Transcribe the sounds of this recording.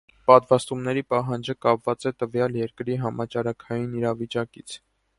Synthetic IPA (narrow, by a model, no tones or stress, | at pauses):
pɑt̪vɑst̪umnɛɾipɑɦɑnd͡ʒəkɑpvɑt͡sɛt̪əvjɑljɛɾkɾiɦɑmɑt͡ʃɑɾɑkʰɑjiniɾɑvit͡ʃɑkit͡sʰ